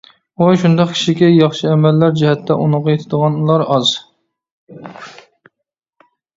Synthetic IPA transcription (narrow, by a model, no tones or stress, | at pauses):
oʃund̪ɑqkʲʰi̥ʃikʲɛjɑχʃɨɛmɛlːæɾd͡ʒihɛt̪ʰːɛʔunʊʁɑjet̪ʰɪd̪əʁɑnulˠɑɾɑz̥